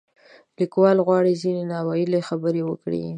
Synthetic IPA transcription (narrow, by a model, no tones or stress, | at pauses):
likwɑlɣwɑɽizinenɑwɑjilexabəɾewəkɽḭ